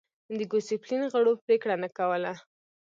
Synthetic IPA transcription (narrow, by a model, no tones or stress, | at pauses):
d̪əɡoseplinɣəɽopɾekɽanakawəla